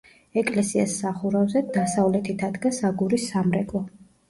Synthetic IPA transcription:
ɛkʼlɛsia̰sːaχuɾavzɛd̪asavlɛt̪ʰit̪ʰad̪ɡasaɡuɾisːamɾɛkʼˠɔ

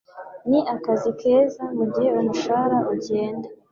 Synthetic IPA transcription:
niʔakazikʰe̞ːzamuɟiheumuʃaːɾaʔuɟe̞ːnda

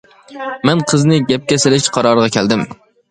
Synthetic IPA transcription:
manqʰɨznɪɡʲap̚kʲasɪlɪʃqʰɑɾɒɾʁɑkʲʰæld̪ɪm

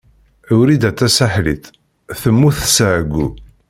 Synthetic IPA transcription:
ʊɾid̪æt̪ːæsaħlit̪ | θəmːuθsaʕɡʷːu

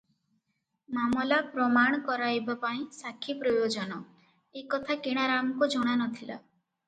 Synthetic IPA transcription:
mamɔlapɾɔmaɽ̃kɔɾajbapaĩsakʰipɾɔjod͡ʒɔnɔ | ekɔt̪ʰakeɽ̃aɾamɔkud͡ʒɔɽ̃anɔt̪ʰila̰

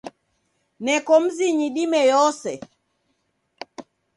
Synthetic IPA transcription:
nɛkɔm̩ziɲiɗimɛjɔsɛ

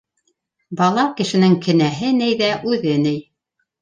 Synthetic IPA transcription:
bɑlˠɑwkɘ̆ʃɘ̆nɘŋkʰɘ̆næɦɘnɘjðæʔʉðɘnɘj

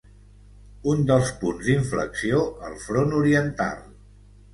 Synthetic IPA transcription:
und̪əlˠspunzd̪iɱflə̰ksioəlˠfɾonuɾiənt̪a̰lˠ

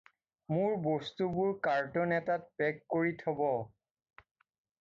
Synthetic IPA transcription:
mʊɹbɔstubʊɹkaɹtɔnɛtat̚pɛkːoɹitʰɔbɔ

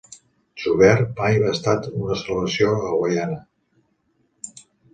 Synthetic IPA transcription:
ʒuβɛɾmajβaːst̪at̪unəsələβəsioəɣwajanə

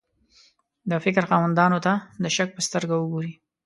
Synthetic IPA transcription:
d̪əfɪk̬ɾxɑwand̪ɑnot̪ad̪əʃak̚pəst̪əɾɡawəɡoɾi

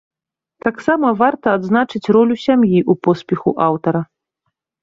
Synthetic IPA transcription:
t̪aksamɐvart̪ɐːd̪znat͡ʂɨt͡sʲrɔlʲusʲamjiʔupɔspʲɛxuʔawt̪ɐɾɐ

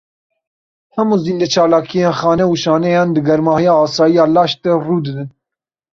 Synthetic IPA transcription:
hɛmuziːnd̪ɛt͡ʃʰɑːlɑːkʰijeːnxɑːnɛuʃɑːnɛjɑːnd̪ɨɡɛɾmɑːhijɑːsɑːjijɑːlɑːʃt̪ɛruːd̪ɨdɨn

